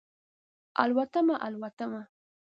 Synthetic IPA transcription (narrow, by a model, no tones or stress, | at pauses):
a̰lwat̪amaʔalwat̪ama